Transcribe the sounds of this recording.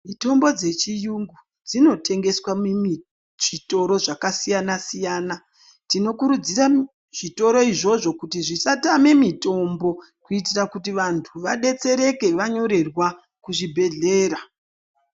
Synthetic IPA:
mito̞mbo̞d͡ze̞t͡ʃijuŋɡu | d͡zino̞tʰe̞ŋɡe̞swamumi | ʐ̥ito̞ɾo̞ʐakasijanasijaːna | tino̞kuɾud͡zira | ʐ̥ito̞ɾo̞iʐo̞ʐo̞kutiʐisatame̞mito̞mbo̞ | kuit̬irakut̬iʋantʰuʋaɗe̞t͡se̞ɾe̞ke̞ʋaɲo̞ɾe̞rwa | kuʐibʱe̞ɮe̞ːɾa

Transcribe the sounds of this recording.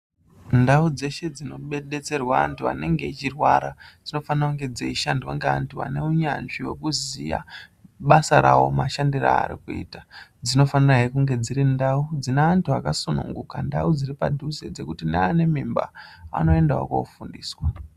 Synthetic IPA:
ndaud͡ze̞ʃe̞d͡zino̞ɓeɗe̞t͡se̞rwaantuane̞ŋɡe̞it͡ʃirwaɾad͡zino̞fanirakuŋɡe̞d͡zeiʃandwaŋɡea̰ntua̰ne̞uɲanʐiwekuzija̰ɓasaɾawo̞maʃandira̰ːɾikuḭːtad͡zino̞faniraɦekuŋɡe̞d͡ziɾindaud͡zineːntʰuakasunṵŋɡukandaud͡ziripadʱused͡ze̞kutinaːne̞mimba̰a̰no̞e̞ndawa̰ko̰fundiːswa

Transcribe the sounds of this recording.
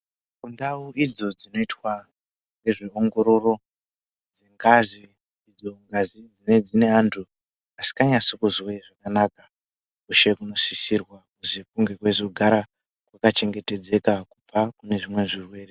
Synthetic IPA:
kundauʔid͡zo̞d͡zino̞itwa | nɡe̞ʐio̞ŋɡo̞ɾo̞ro̞ | d͡zeŋɡaziː | d͡zo̞ŋɡazid͡zine̞d͡zine̞antʰu | asi̥kaɲasokuzweʐakanakḁ | kuʃe̞kuno̞sisirwakuzekuŋɡe̞kwezo̞ɡʱaɾa | kwakat͡ʃe̞ŋɡe̞te̞d͡ze̞kakup͡fakune̞ʐimwe̞ʐirwe̞ːre

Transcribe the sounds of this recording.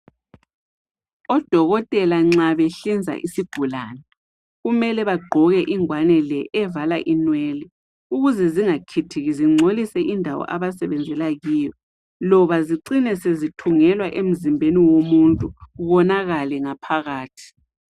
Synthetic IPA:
ɔd̥ʱɔɣɔtʼɛlaŋ͡ǀaβɛɬind͡zʱa̰ʔisiɡ̥ʱulaːnɛ | ɣumɛlɛβaɡ͡ǃʱɔɣɛʔiŋwanɛlɛʔɛvalaʔinwɛlɛ | uɣuzɛziŋakʰitʰiɣiziŋ͡ǀʱolisɛʔindʱawɔ̰ʔaβasɛβɛnd͡zʱɛlaɣiːjɔ | lɔβaziǀinɛsezitʰuŋɛlwaʔem̩zimbʱeniwomuntʼuβɔnaɣalɛŋapʰaɣaːtʰi̥

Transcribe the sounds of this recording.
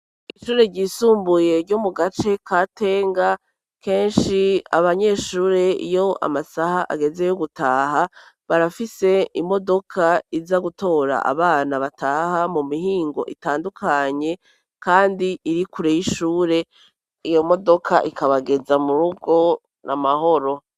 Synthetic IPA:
iiʃuːɾe̞ɾɟiːsuːmbuje̞ɾɟomuɡat͡ʃe̞kʰate̞ːŋɡa | ke̞ːnʃia̰βaɲe̞ːʃuːɾe̞ḭjo̞a̰masahaʔa̰ɡe̞ze̞joɡutaːɦa | βaɾafise̞imo̞do̞kʰaizaɡuto̞ːɾa̰ʔa̰βaːnaβataːhamumihiːŋɡo̞̰ʔitaːndukʰaɲe̞ | kaːndiiɾikuɾejiʃuːɾe̞ | ijo̞mo̞do̞kʰa̰ʔikʰaβaɡe̞zamuɾuɡo̞ | namaho̞ɾo̞

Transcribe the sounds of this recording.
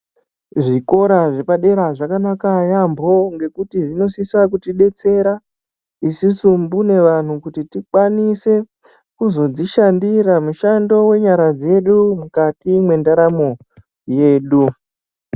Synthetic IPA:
ʐiko̞ɾaʐepaɗe̞ɾaʐakanakajambo̞ŋɡe̞kutiʐino̞sisakutiɗe̞t͡se̞ɾa | isisumbune̞ʋan̤ukutitikwanise̞ | kuzo̞d͡ziʃandiɾamuʃando̞we̞ɲaɾad͡ze̞ɗumukatimwe̞ndaɾamo̞ | je̞ːɗu

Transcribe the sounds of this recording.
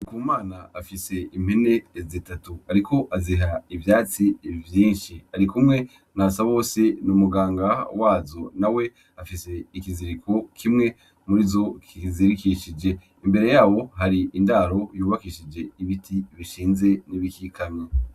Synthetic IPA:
nikuumaːnaafise̞im̥hene̞ːzitatuaɾiko̞ʔaziɦaivjaːt͡sivjiːnʃiaɾikumŋe̞ | nasaβo̞ːsenumuɡaːŋɡawaːzo̞nawe̞ | afise̞ikiziɾikʰokʰimŋe̞ | muɾizo̞kiziɾikiʃid͡ʒe̞ | imbe̞ɾe̞jaːwo̞ɦaɾiindaːɾo̞juːβakiʃid͡ʒe̞iβitʰiβiʃiːnze̞niβikikʰaɲɲe

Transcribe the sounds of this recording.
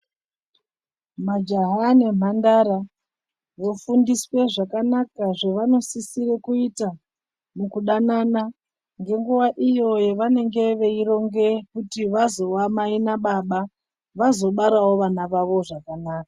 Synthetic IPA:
mad͡ʒaɦanem̤andaɾa | ʋofundiswe̞ʐakanakaʐeʋano̞sisire̞kuita | mukuɗanana | ŋɡe̞ŋɡuʋaʔijo̞je̞ʋane̞ŋɡe̞ʋe̞iɾo̞ŋɡe̞kutiʋazo̞wamainaɓaɓa | ʋazo̞ɓaɾawo̞ʋanaʋaʋo̞ʐakanaːkḁ

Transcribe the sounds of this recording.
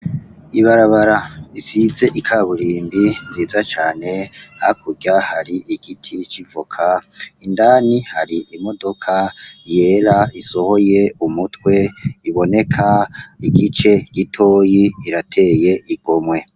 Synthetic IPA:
iβaɾaβaɾaisize̞ʔikʰaβuɾiːmbinziːzat͡ʃaːne̞akʰuɡahaɾiʔiɡ̥itʰit͡ʃivukʰaindanihaɾiʔimo̞do̞kʰaje̞ːɾaiso̞ho̞je̞umutwe̞iβo̞ne̞kʰaiɡit͡ʃe̞ɡ̥itʰo̞ːjiiɾatʰe̞ːje̞ʔiɡ̥omwe̞

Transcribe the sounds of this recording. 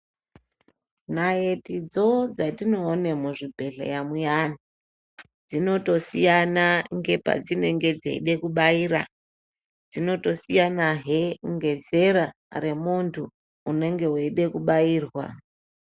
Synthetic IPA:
najetid͡zod͡zatino̞ːne̞muʐibʱe̞ɮa̰jamujani | d͡zino̞to̞sijanaŋɡe̞pa̰d͡zine̞ŋɡe̞d͡zḛḭɗe̞kuɓaiːɾa̰ | d͡zino̞to̞sijanaɦeŋɡe̞ze̞ɾa | re̞muntʰuː | ne̞ŋɡe̞weiɗe̞kuɓaiːrwa̰

